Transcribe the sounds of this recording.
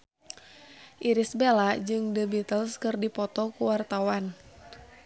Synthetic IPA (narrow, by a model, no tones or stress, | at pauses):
ʔiɾisbelad͡ʒɨŋdəbit̪əlskɨrdipɔt̪ɔkuwart̪awan